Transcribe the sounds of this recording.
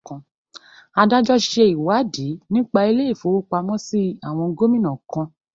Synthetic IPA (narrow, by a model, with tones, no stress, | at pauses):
kã˧ | a˧da˦d͡ʒɔ˦ʃe˧i˨wa˨˦di˨˦nĩ˦k͡pa˧i˧le˦i˦˨fo˨˦wo˦k͡pa˧mɔ̃˦si˦a˨w̃ɔ̃˧ɡo˦mĩ˦˨nã˨kã˧